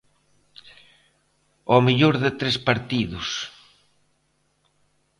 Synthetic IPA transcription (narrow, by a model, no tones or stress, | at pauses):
ɔmiʎoɾðet̪ɾespaɾt̪iðʊs